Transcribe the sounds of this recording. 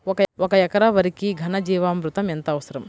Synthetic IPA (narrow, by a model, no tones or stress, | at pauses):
ɔkɐɔkɐjɐkɐɾaʋɐɾikiɡʱɐnɐd͡ʒiːʋaːmɾut̪ɐment̪ɐːʋɐsɐɾɐm